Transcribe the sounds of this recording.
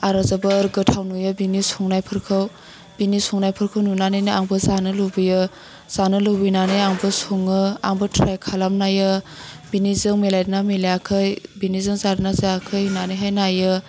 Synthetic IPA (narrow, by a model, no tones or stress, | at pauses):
aɾazabɐɾɡɯtʰawnujɯbinisɔŋnajpʰɯɾkʰɯw | b̥inisɔŋnajpʰɯɾkʰɯwnunanɯjnɯaŋbɯzanɯlɯbɯjɯ | z̥anɯlɯwbɯjnanɯjaŋbɯsoŋɯaŋbɯtʰɾajkʰalamnajɯbinizɯŋmelajdnamilajakʰɯjbinizɯŋzadɯnazaakʰɯjnanɯjɦajnajɯ